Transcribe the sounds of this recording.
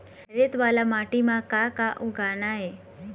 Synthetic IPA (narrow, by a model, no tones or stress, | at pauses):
ɾet̪ʋalamaʈimãkakaʔuɡʱanaɦe